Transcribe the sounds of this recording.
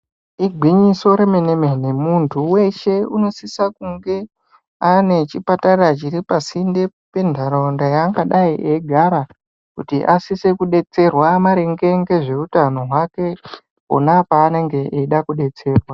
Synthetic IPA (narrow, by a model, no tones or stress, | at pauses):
iɡʱwiɲiso̞ɾemeneme̞nemuntʰuwe̞ʃe̞uno̞sisakuŋɡe̞ | ane̞t͡ʃipatarrat͡ʃiɾipasinde̞ | pe̞ndʱaɾondajaŋɡaɗaiʔeɡʱaɾa | kutiʔasisekuɗe̞t͡se̞rwamaɾeŋɡe̞ŋɡe̞ʐe̞utano̞ɦwake̞ | o̰napaːne̞ŋɡe̞ʔeiɗakuɗe̞t͡se̞ːrwa